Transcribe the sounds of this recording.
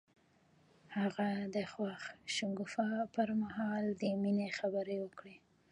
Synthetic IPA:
haɣad̪əxwaxʃʊŋɡʊfɑpəɾmaɦɑld̪əminexabəɾewəkɽe

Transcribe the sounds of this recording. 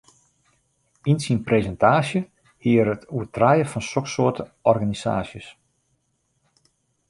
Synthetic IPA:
insinprezɛntʰaːsjə | hiəɾətʰuətrajəfɔnsoksʊətəɔrɣanisa̰ːsjəs

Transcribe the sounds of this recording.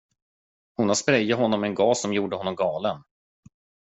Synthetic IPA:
hʊnhaspɾɛjːəɦɔnːɔmɛnɡɑːsːɔmjuːɖəhɔnːɔmɡɑːlən

